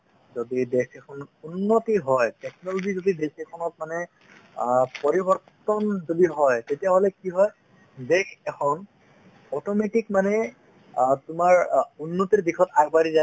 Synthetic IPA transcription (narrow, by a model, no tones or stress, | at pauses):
zodidɛkʰɛkʰɔnunːotiɦɔjtɛknɔloɡizodidekɛkʰɔnɔt̚manɛ | pɔɹibɔɹt | ɔnzodiɦɔjtetijaɦolɛkiɦɔj | dekʰɛkʰɔn | ɔtɔmetikmanɛ | tʊmaɹunːotiɹdikʰɔtaɡbaɹiza